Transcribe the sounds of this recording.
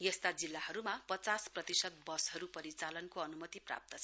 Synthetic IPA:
jest̪ad͡zilːaɦʌɾumapʌt͡sasprʌt̪isʌt̪̚bʌsɦʌɾupʌɾit͡salʌnkoʌnumʌt̪ipra̰p̚t̪ʌt͡sʰʌ

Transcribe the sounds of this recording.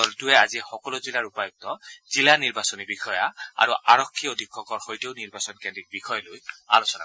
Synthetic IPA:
ɔltuɛazixɔkɔlʊzilaɹupajuk̚tɔz̥ilaniɹbasɔnibixɔjaa̰ɹuʔaɹɔkʰːiodʱikʰːɔkɔɹxojteʊniɹbasɔnkɛndik̚bixʰɔjɔloja̰losɔna̰

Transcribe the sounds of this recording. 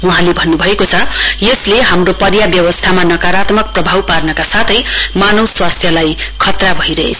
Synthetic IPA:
uɦãlebʱʌnːubʱʌekot͡sʰʌjesleɦamropʌrjabjʌwʌst̪ʰamanʌkaɾat̪mʌk̚prʌbʱawparnʌkasat̪ʰʌjmanʌwswast̪ʰjʌlajkʰʌt̪rabʱʌiɾʌɦet͡sʰ

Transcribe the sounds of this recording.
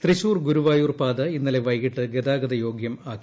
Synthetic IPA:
t̪riɕuːrɡuɾuʋaːjuːrpaːd̪ɐinːɐle̞ʋɐjɣiʈːɨɡed̪aːɡɐd̪ɐjo̞ːɡjɐmaːk

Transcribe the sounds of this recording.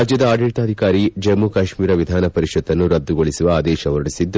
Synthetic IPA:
ad͡ʒjɐd̪ɐaːɖeʈ̪aːd̪ʱikaːɾid͡ʒɐmːukɐʃmiːɾɐʋid̪ʱaːnɐpɐɾiʃɔd̪ːɐnːuɾɐd̪ːuɡoɭisuʋɐaːd̪ɛːʃɐʋɐɾɽisid̪ː

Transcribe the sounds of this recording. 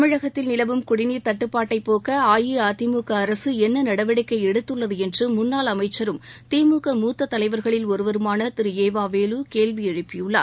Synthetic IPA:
ɐmɪɻɐɣɐt̪ːɪlnɪlɐʋɯmkʊɽɪniːɾt̪ɐʈːɯpːaːʈːɐɪpːoːkɐaːjiaːt̪ɪmuːkɐːɾɐsɯɛnːɐnɐɽɐʋɐɽɪkːɐɪɛɽɯt̪ːɯɭːɐðɯɛndrɯmʊnːaːlɐmɐɪt͡ʃːɐɾɯmt̪eːmuːkɐmuːt̪ːɐt̪ːɐlɐɪʋɐɾɣɐɭɪlɔɾɯʋɐɾɯmaːnɐt̪ɪɾɯeːʋaːʋeːluːkeːlʋiɛɻɯpːɪjɯɭːa̰ː

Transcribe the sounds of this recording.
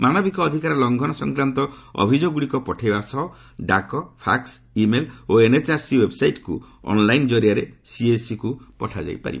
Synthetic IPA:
manɔbikɔːd̪ʱikaɾɔlɔŋɡʱɔnɔsɔŋkɾant̪ɔɔ̰bʱid͡ʒoɡuɽikɔpɔʈʰajbasɔ | ɖakɔpʰa̰ks | imeloenet͡ʃaɾsiwebsajʈkṵ | ɔ̰nlajnd͡ʒɔɾiaɾesiesikupɔʈʰad͡ʒa̰jpa̰ɾḭb

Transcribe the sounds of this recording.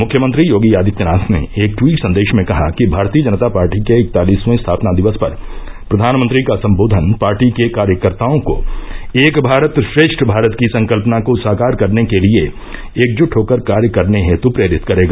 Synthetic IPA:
mʊkʰjəmə̃nt̪ɾijoːɡijaːd̪ʱɪt̪jənaːsnḛeːk̚ʈwiːʈsɐ̃nd̪eːʃmẽkɐɦakibʱaːɾt̪iːəd͡ʒɐnət̪apaːɾʈikeɪk̚t̪aːliːsmẽst̪ʰaːpnad̪ɪʋəspɐɾ | pɾɐd̪ʱaːnmə̃nt̪ɾikasɐ̃mboːd̪ʱənpaːɾʈikekaːɾjəkəɾt̪aːõko̰eːkbʱaːɾət̪ʃɾeːʃʈʰbʱaːɾət̪kisɐ̃ŋkəlpnakosaːkaːɾkɐɾnekelie | eːk̚d͡ʒʊʈʰɦoːkəɾkaːɾjəkɐɾneɦɛt̪opɾeːɾɪt̪kɐɾeːɡaː

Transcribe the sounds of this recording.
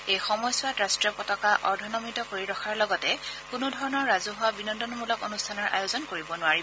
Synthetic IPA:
ejxɔmɔjsʊwatɹastɹiɔpɔtɔkaʔɔɹdʱɔnɔmitɔkoɹiɹɔxʰaɹlɔɡɔtɛkʊnʊdʱɔɹɔnɔɹːazuɦʊwabinɔndɔnmulɔko̰nustʰanɔɹʔa̰jozɔnkoɹibɔnʊwaɹiɔ

